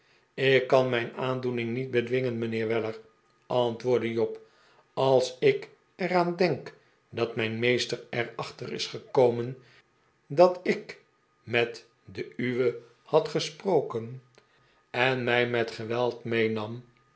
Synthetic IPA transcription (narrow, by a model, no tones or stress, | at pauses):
ɪkːɑnmɛjnaːndunɪŋnit̚bədʋɪŋənmənɪːɹʋɛləɹ | ʔɑntʋʊːɹdəjɔp | ɑlˠsɪk | ɛraːndɛŋk | dɑtmɛjnmejstərɛrɑχtərɪ̰sχəkowmən | dɑtɪk | mɛt | dəyʋə | hɑtχəsprowkən | ɛnmɛjmɛtχəʋɛlˠtmejnɑm